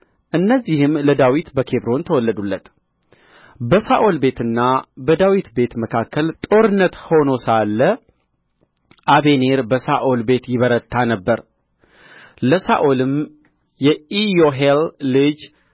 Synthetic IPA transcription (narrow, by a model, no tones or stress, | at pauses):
ʔɨnːəzːihɨmləd̪awit̪bəkʰe̞bɾo̞nt̪ʰəwɔlːəd̪ulːət̪ | bəsaʔolbe̞t̪ɨnːabəd̪awit̪be̞t̪məkʰakːəlt̪ʼo̞ɾɨnːət̪ho̞no̞salːə | ʔaβe̞ne̞ɾbəsaʔo̞lbe̞t̪jɪβəɾət̪ʰːanəbːəɾ | ləsaʔolɨm | jɛijoɦelːɨd͡ʒ